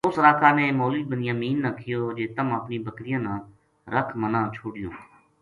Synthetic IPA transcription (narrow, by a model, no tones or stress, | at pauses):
ʊsɾaːkʰaːnẽːmoːliːbənɪjãːmiːnːə̃ːkʰɪjoːd͡ʒeːt̪əməpniːbəkɾɪjãːnãː | ɾəkʰmənãːt͡ʃʰoːɽɪjõ̰ː